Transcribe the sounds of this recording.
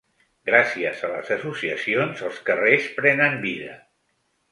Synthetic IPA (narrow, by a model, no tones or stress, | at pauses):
ɡɾasiəzələ̰zəsusiəsionzəlˠskərespɾɛnəmbiðə